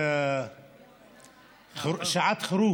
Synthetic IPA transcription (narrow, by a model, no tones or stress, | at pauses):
χʃaʕatʰχɾu